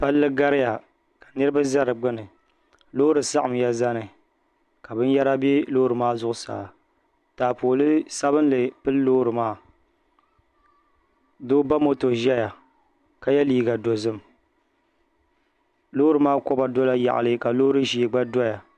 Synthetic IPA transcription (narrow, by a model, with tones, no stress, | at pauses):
pa˦lːɨ˦ɡa˦ɾɪ˦ja˨ | ka˨nɨ˦ɾɨ˦ba˦za˦ɾɨ˨ɡ͡bɨ˦nɨ˨ | lo˦ɾɨ˨sa˦ʔa˨m˨ja˦za˦nɨ˨ | ka˨bɨ˦n˦ja˦ɾa˦bɪ˦lo˦ɾɨ˨maː˦zʊ˦ʔʊ˦sa̰ː˨ | taː˨poː˨lɨ˦sa˦βɨ˦nlɨ˨pɨ˦lːoː˦ɾɨ˨maː˦ | doː˦ba˦mo˦to˨ʒɛ˦ja˨ | ka˨jɛ˦liː˦ɡa˨do˨zɨ˦m | lo˦ɾɨ˨maː˦ko˦ba˨do˦la˦ja̰˨ʔa̰˨lɨ˦ka˨lo˦ɾɨ˦ʒi˨ɡ͡ba˦dɔ˦ja˨